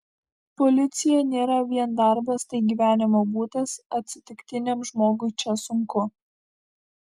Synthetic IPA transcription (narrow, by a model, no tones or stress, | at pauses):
pɔlʲɪt̪sʲɪjɛnʲeːɾɐʋʲiɛnd̪ɑˑɾbɐst̪ɐɪɡʲiːʋʲæːnʲɪmoːbuːt̪ɐsɐt̪ʲsʲɪt̪ʲɪkt̪ʲɪnʲemʒmoːɡʊɪt͡ʃʲɛsʊŋkʊ